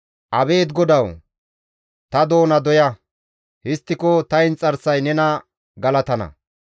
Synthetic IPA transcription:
ʔɐbe̞ːt̪ɡɔd̪ɐw | t̪ɐd̪o̞ːnɐd̪ɔjɐ | hɪst̪ːɪkɔt̪ɐɪnt͡sʼɐɾsɐjnɛnɐ | ɡɐlɐt̪ɐnɐ̰

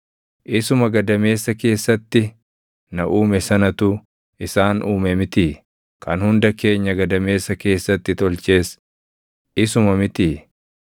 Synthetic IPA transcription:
ʔɪsʊmɐɡɐd̪ɐme̞ːsːɐke̞ːsːɐt̪ːɪ | nɐʔuːmɛsɐnɐt̪ʊ | ɪsaːnʔuːmɛmɪt̪iː | kʰɐnhʊnd̪ɐke̞ːɲːɐɡɐd̪ɐme̞ːsːɐke̞ːsːɐt̪ːɪt̪ɔlt͡ʃe̞ːs | ɪsʊmɐmɪt̪iː

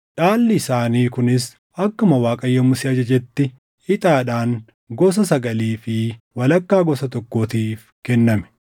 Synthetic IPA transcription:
ᶑaːlːɪɪsaːniːkʊnɪs | ɐkːʊmɐwaːkʼɐjːɐmʊsɪɐd͡ʒɐd͡ʒɛt̪ːɪ | ɪt̪ʼaːᶑaːŋ | ɡɔs̬ɐsɐɡɐliːfɪwɐlɐkːaːɡɔsɐt̪ɔkːoːt̪iːf | kɛnːɐmɛ̥

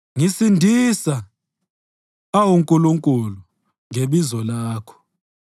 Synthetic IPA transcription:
ŋisindʱisa | awuŋkʼuluŋkʼulu | ŋʱeɓizɔlaːkʰɔ̥

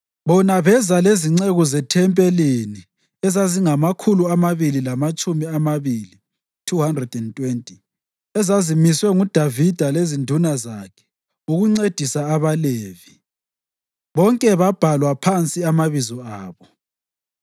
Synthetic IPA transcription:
βɔnaβɛzaleziŋ͡ǀeɣɔzɛtʰɛmpʼelini | ɛzaziŋamakʰuluamaβililamat͡ʃʼumiamaβili | tʰuhandrɛd̥ɛntʼwentʼi | ɛzazimiswɛŋud̥ʱavid̥ʱalezindʱunazaːkʰɛ̥ | uɣuŋ͡ǀed̥ʱisaːβaleːvi | βɔŋkʼɛβab̥ʱalwapʰant͡sʼiamaβizɔaːβɔ

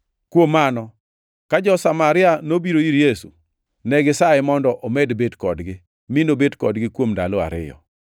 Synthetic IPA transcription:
kwomːanɔ | kad͡ʒɔsamaɾɪanobiɾoiɾjesu | nɛɡɪsaɛmɔndɔʔomedbedkɔdɡɪ | mɪnobedkɔdɡɪkwomdaloa̰ɾɪ̰jɔ̰

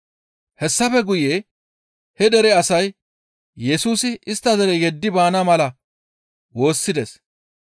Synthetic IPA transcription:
hɛsːɐfɛɡʊje | hɛd̪ɛɾɛɐsɐj | jɛsuːsɪʔɪst̪ːɐzɐɾɛjɛd̪ːɪbaːnɐmɐlɐ | wo̞ːsːɪd̪ɛs

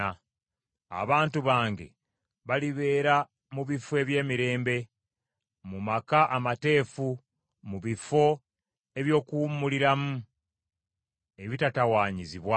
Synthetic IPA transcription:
a | a̰βaːntuβaːŋɡḛ | βaliβe̞ːɾa | muβife̞ːβje̞ːmiɾe̞ːmbe̞ | mumakaʔamate̞ːfu | muβifo̞ | e̞βjo̞ːkuːmːuliɾamu | eβitatawaːɲiziβwa

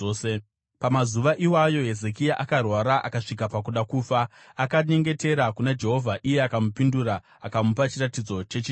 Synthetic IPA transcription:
e | pamazuʋaʔiwajo̞e̞zek̬iaʔakarwaɾaʔa̰kaʂik̬apak̬uɗakuːfa | akaɲe̞ŋɡe̞te̞ɾakunad͡ʒe̞ɦo̞vʱaʔije̞akamupinduɾa | akamupat͡ʃiratid͡zo̞t͡ʃe̞t͡ʃi

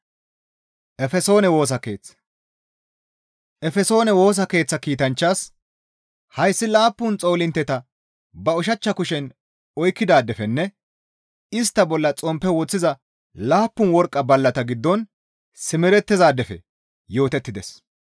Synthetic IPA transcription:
ʔɛfɛso̞ːnɛwo̞ːs̬ɐke̞̰ːt͡sːɐ̥ | ʔɛfɛso̞ːnɛwo̞ːs̬ɐke̞ːt͡sːɐkiːt̪ɐnt͡ʃːaːs | hɐjsːɪlaːpːʊnt͡sʼo̞ːlɪnt̪ːɛt̪ɐ | bɐʊʃɐt͡ʃːɐkʊʃɛn | ɔjkːɪd̪aːd̪ɛfɛnːɛ | ɪst̪ːɐbɔlːɐt͡sʼɔmpːɛwɔt͡sːɪzɐ | laːpːʊnwɔɾkʼːɐbɐlːɐt̪ɐɡɪd̪ːɔn | sɪmɪɾɛt̪ːɪzaːd̪ɛfɛ̰ | jo̞ːt̪ɛt̪ːɪd̪ɛs

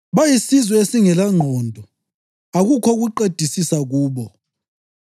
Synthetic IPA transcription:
βajisizwɔesiŋɛlaŋ͡ǃʱɔːndʱɔ | aɣukʰɔɣuǃed̥ʱisisaɣuːβɔ

